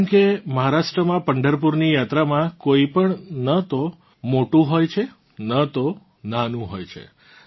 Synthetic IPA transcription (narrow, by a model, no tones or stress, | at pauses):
ɳkeməɦaɾaʃʈɾəmãpəɳɖəɾpuɾnijat̪ɾamãkoipəɳnət̪o | moʈũɦojt͡ʃʰe | nət̪o | nanũɦojt͡ʃʰḛ